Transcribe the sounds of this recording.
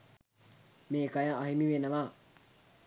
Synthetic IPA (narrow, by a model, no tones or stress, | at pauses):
meːkajaaɦimiʋenɐʋa